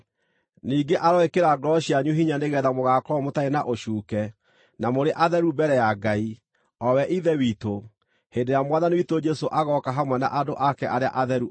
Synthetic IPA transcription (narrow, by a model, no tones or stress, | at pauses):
niːɡeʔaɾɔekeɾaɡɾɔʃiaɲuɦiɲaneɣɛðamoɣakɔmotaenaʔoʃuːkɛ | namoɾeʔaðɛɾubɛɾɛjaɡai | ɔwɛʔiðɛwito | hendeɾjamwaðaniwitod͡ʒɛsoʔaɣɔkaɦamwɛna̰ʔadoʔakɛʔaɾea̰ʔaðɛɾu